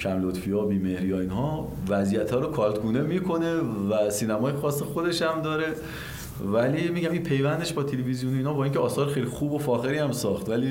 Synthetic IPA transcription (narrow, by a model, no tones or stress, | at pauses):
cʰæmlot̪fijɒːbiːmehɾijɒːinɦɒː | væzijæt̪ʰhɒːɾokʰɒːlt̪ɡuːnemiːkʰo̞ne̞væsiːnæmɒːjexɒːsːexod̪e̞ʃæmd̪ɒːɾe̞ | vælimiːɟæmiːnpʰe̞jvænd̪e̞ʃbɒːt̪ʰelevizijonoiːnɒːbɒːiːŋcʰeɒːsɒːɾexejlixuːbofɒːxeɾiːæmsɒːxt̪væliː